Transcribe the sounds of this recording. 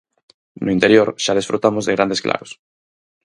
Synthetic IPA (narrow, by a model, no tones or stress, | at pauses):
nʔʊint̪eɾjoɾʃaðesfɾʔut̪amozðeɣɾand̪esklʔa̰ɾos